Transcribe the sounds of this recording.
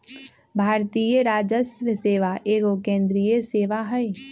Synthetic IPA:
bʱaːɾt̪iːjəɾaːd͡ʒəsʋəseːʋaʔeːɡokẽːnd̪ɾijəseːʋaɦɛe

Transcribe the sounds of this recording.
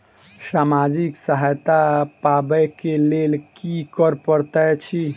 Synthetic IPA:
samad͡ʒiksəɦajt̪apabɛkelelkikəɾpəɾt̪ət͡ʃʰi

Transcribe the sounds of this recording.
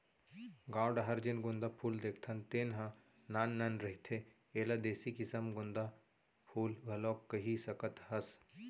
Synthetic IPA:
ɡãːwɖɦɐɾd͡ʒɪnɡʊ̃nd̪apʰuːld̪eːkʰt̪ʰɐnt̪eːnɦã | naːnːɐnɾɐɦit̪ʰe | eːlad̪eːsikɪsəmɡʊ̃nd̪a | pʰuːlʋʱɐloːkːɐɦisɐkət̪ɦɐs

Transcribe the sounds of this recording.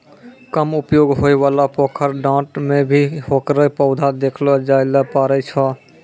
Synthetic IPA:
kəmʊpjoːɡɦoːiʋaːlapoːkʰəɾɖãːʈmẽbʱiɦoːkɾəpəʊd̪ʱad̪eːkʰlod͡ʒaːjləpaːɾət͡ʃʰɔ

